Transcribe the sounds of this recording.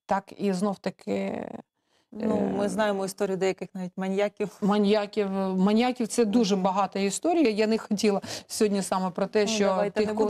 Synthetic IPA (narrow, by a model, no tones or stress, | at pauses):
t̪ɑkiznowt̪ɐkʰɪ̰ | numɪznɑjemɔist̪ɔɾʲijʊd̪ɛjɐkɪxnɑʋʲitʲmɐnʲjakʲiwmɐnʲjakʲiwmɐnʲjakʲiwt̪sɛd̪uʒɛbɐɦɑt̪ɐist̪ɔɾʲijɐjɐnɪxɔtʲilˠɐsʲɔɦɔdʲnʲisɑmɛpɾɔt̪ɛʃt͡ʃɔt̪i